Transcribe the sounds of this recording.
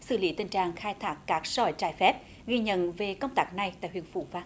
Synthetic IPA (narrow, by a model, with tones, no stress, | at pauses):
sɨ̰˧˩li˨˦t̪ï˨˩ŋ̟t͡ɕaː˨ŋxaː˧jt̪ʰaː˦˥k̚ːaː˦˥k̚sɔ˧˩jt͡ɕaː˧˩jfɛ˦˥p̚ | ɣi˧ɲə̰˧˨nve˨˩kə˧wŋ͡mt̪aː˦˥k̚na˨˩jt̪a̰ː˧˨jɦḭ˧˨ənfṵ˧˩vaː˧˩